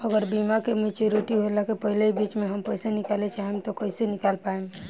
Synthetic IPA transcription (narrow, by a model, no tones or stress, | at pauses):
əɡəɾbimakemet͡ʃuɾiʈiɦolakepəɦileibit͡ʃmeɦəmpəɪsenikalet͡ʃaɦemt̪ɔkəɦɪsenɪkaːlpaem